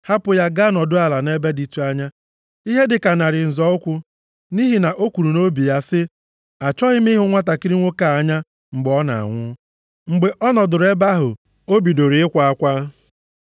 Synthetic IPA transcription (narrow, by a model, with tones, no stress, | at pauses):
ha˦pʊ˨ja˦ɡa˦nɔ˨dʊ˦a˨la˨ne˦be˦di˨tu˦a˦ɲa˦ | i˦ɦe˦dɪ˨ka˨na˨ɾɪ˨n̩˨zɔ˨˦ʊ˦kʷʊ˦ | ni˦ɦi˨na˨ʔo˦kʷu˨ɾu˨no˦bi˨ja˦sɪ˦ | a˨t͡ʃɔ˦ɦɪ˦m̩˦i˦ɦʊ˦ŋʷa˦ta˨ki˦ɾi˦ŋʷo˦ka˨a˨ɲa˦ | ŋ͡m̩˨ɡ͡bɔ˦na̰˨a̰˨ŋʷʊ˦ | ŋ͡m̩˨ɡ͡be˨ʔɔ˦nɔ˨dʊ˨ɾe˦ba˦ɦʊ̰˨ | o˦bi˨do˨ɾi˨ɪ˦kʷa˨a˦kʷa˦